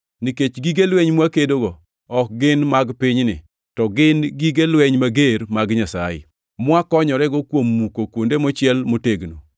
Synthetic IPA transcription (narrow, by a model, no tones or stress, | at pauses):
niket͡ʃɡiɡelweɲmwakedoɡɔ | ɔk̚ɡɪnmaɡpɪɲnɪ̰ | tɔɡɪnɡiɡelweɲmaɡeɾmaɡɲasajɪ̰ | mwakɔɲɔɾɛɡɔkwomːukokwondemɔt͡ʃɪɛlmoteɡno̰